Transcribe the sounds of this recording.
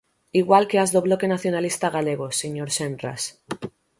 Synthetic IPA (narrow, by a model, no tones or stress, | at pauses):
iɣwalkeazðoβ̞lo̞ke̞naθjonalist̪aɣ̞aleɣ̞oseɲoɾsenra̰s